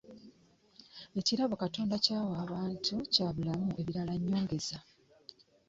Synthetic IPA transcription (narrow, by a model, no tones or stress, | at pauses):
e̞ciɾaβo̞kato̞ːndacaːwaːβaːntʰucaːβulamuʔe̞βiɾalaɲːo̞ːŋɡe̞za